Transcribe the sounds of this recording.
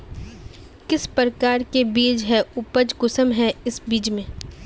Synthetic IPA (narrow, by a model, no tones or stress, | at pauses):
kɪspɾəkaːɾkebiːd͡ʒɦɛʊpəd͡ʒɡʊsəmɦɛɪsbiːd͡ʒmẽː